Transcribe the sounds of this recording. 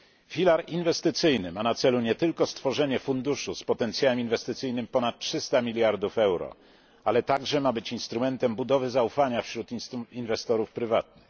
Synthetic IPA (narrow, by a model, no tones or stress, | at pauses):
fʲilaɾinvɛst̪ɘt̪sɘjnɘmanat̪sɛluɲɛt̪ɘlkɔst̪fɔʐɛɲɛfund̪uʂuspɔt̪ɛnt̪sʲjawɛminvɛst̪ɘt̪sɘjnɘmpɔnat̪̚t͡ʂʂɘst̪amʲilʲjaɾd̪ufɛwɾɔ̰ | alɛt̪aɡʐɛmabɘt͡ɕinst̪ɾumɛnt̪ɛmbud̪ɔvɘzaufaɲafɕɾut̪invɛst̪ɔɾufpɾɘvat̪nɘx